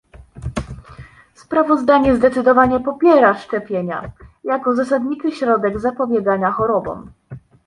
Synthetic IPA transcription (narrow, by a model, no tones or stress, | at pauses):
spɾavɔzd̪aɲɛzd̪ɛt̪sɘd̪ɔvaɲɛpɔpʲjɛɾaʂt͡ʂɛpʲjeɲa̰jakɔzas̬ad̪ɲit͡ʂɘɕɾɔd̪ɛɡzapɔbʲjɛɡaɲaxɔɾɔbɔ̰̃m